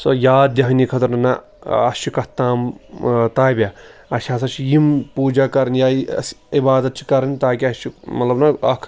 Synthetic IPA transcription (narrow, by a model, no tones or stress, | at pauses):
sojaːd̪d̪jɐɦɐnikʰɐt̪ɐɾnɐna | ɐst͡ʃʰikɐt̪aːmt̪aːjbʲjaɐʃʲaːsɐt͡ʃʰijimpuːd͡ʒakɐɾɐnjaːsibaːd̪ɐt̪̚t͡ʃʰi̥kɐɾɐnʲt̪aːkiɐst͡ʃʰimɐt̪lɐbnɐɐkʰ